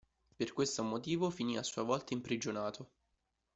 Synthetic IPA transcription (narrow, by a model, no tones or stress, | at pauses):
perkwest̪omot̪iːvofiniːasːuːavɔlt̪aimpɾid͡ʒonaːt̪ʰo